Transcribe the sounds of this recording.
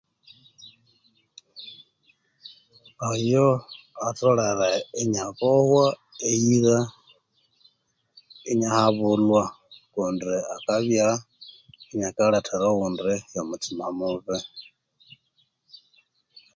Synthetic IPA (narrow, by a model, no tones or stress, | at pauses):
ajɔ | atʼɔɺaɾaɛɲakɔhwaeiɣa | iɲahaβulwa | kundiakʼaβja | iɲakaɺatʰɛɾɔɣundɛjamut͡sʰimamuβɛ